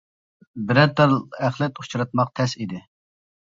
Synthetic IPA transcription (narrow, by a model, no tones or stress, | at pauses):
bɪɾɛt̪ʰːɑɾlæχlˠɛt̪u̥t͡ʃʰɾɑt̪̚mɑq̚t̪ʰɛsid̪ɪ